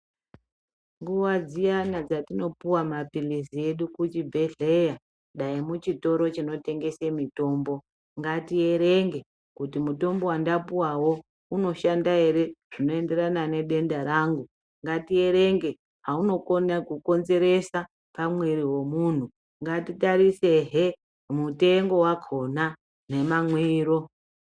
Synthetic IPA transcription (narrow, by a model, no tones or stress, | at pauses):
ŋɡuwad͡zijanad͡zatino̞puwamapilisie̞ɗukut͡ʃibʱe̞ɮe̞ja | ɗaimut͡ʃito̞ɾo̞t͡ʃino̞te̞ŋɡe̞semito̞ːmbo̞ | ŋɡatie̞ɾe̞ŋɡe̞ | kutimuto̞mbo̞wandapuwawo̞ | uno̞ʃandae̞ɾe̞ʐ̥ino̞e̞nde̞ɾanane̞ɗe̞ndaɾaːŋɡu | ŋɡatie̞ɾe̞ŋɡe̞ | ɦauno̞konakuko̞nze̞ɾe̞sa | pamwiɾiwo̞mun̤u | ŋɡatitaɾise̞ɦe | mute̞ŋɡo̞wakʰo̞na | ne̞mamwiːro̞